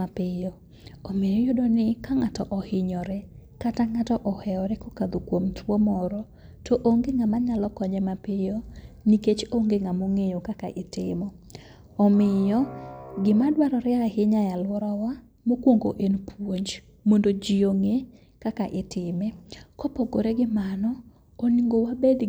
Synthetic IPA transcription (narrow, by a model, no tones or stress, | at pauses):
apɪjo | omejojʊdɔnɪkaŋatɔʔɔhɪɲɔɾɛkataŋatɔʔɔhɛɔɾɛkokad̪okwomtwomɔɾɔ | toʔoŋɡeŋamaɲalɔkɔɲɛmapɪjoniket͡ʃoŋɡeŋamoŋejokakaʔɪtɪmɔ | ɔmɪjɔɡɪmadwaɾɔɾɛahɪɲajalwɔɾɔwa | mokwoŋɡoʔenpʰwoɲd͡ʒ | mondod͡ʒɪoŋe | kakaʔɪtɪmɛkopoɡoɾeɡɪmanɔ | oniŋɡowabed̪